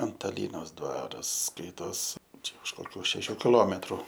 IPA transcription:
ɐntɐˈlʲiːnoːs ˈdʋɑːrɐs ˈskɐɪtoːs ˈt͡ʃʲɛ ʊʃ koːˈkʲuː ʃʲɛˈʃʲuː kʲɪˈlˠoːmʲɛtrʊ

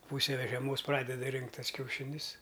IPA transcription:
ˈpuːsʲɛ ʋʲɛ ʒʲɛˈmoːs ˈprɑːdʲɛdɐ ˈrʲɪŋktʲ ˈtɐs kʲɛʊˈʃʲɪnʲʊs

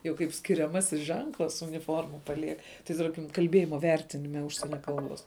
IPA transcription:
jɛʊ kɐɪp sʲkʲɪrʲɛˈmɑːsʲɪs ˈʒʲɛŋklˠɐs ʊnʲɪˈfoːrmɐ pɐˈlʲiɛk tɐɪ ˈtɐrʲkʲɪm kɐlʲˈbʲeːjɪmɐ ˈʋʲɛrʲtʲɪnʲɪmʲɛ ˈʊʃʲsʲiɛnʲɛ ˈkɐlˠˌboːs

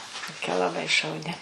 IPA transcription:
toːˈkʲɛ lˠɐˈbɐɪ ʃɐʊˈnʲɪ

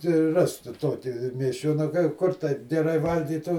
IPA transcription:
tɐɪ ˈrɐsk ˈtʊ ˈtoːkʲɪ mʲiɛsʲˈt͡ʃʲoːnɐ ˈkʊr tɐɪp ɡʲɛˈrɐɪ ˈʋɐlʲɡʲiːtuː

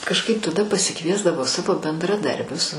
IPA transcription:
kɐʃˈkɐɪp tɐˈdɐ pɐsʲɪˈkʋʲiɛzdɐʋoː ˈsɑːʋoː bʲɛndrɐˈdɐrʲbʲʊs

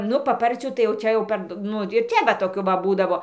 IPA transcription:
ˈnʊ pɐˈpɐrʲt͡sʲuː tɐɪ jɛʊ ˈt͡ʃʲɛ jɛʊ ˈpɐrt ˈnʊ ɪr ˈt͡ʃʲɛ ˈʋɐ toːˈkʲuː ʋɐ ˈbuːdɐʋoː

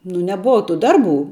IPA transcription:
nʊ nʲɛˈboːʋɐ tʊ ˈdɐrˌbuː

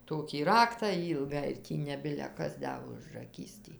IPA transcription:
ˈtoːkʲiː ˈrɑːktɑː ˈiːlˠɡɑː ɪr ˈtʲiː nʲɛ ˈbʲɪlʲɛ ˈkɐs ˈdɐ ʊʒrɐˈkʲiːs tʲiː

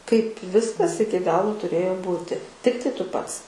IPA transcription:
kɐɪp ˈʋʲɪskɐs ˈɪkʲɪ ˈɡɑːlˠʊ tʊˈrʲeːjoː ˈbuːtʲɪ ˈtʲɪktɐɪ ˈtʊ ˈpɐts

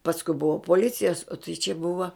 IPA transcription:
pɐsˈkʊ ˈbʊʋɐ poːˈlʲɪt͡sʲɪjɛs oː tɐɪ t͡ʃʲɛ ˈbʊʋɐ

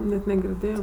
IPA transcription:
nʲɛt nʲɛɡʲɪrʲˈdʲeːjoː

